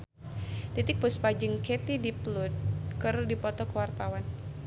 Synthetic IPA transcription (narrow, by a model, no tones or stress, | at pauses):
t̪it̪ɪk̚pʊspad͡ʒəŋket̪idiplʊd̪̚kərdipɔt̪ɔkəwart̪awan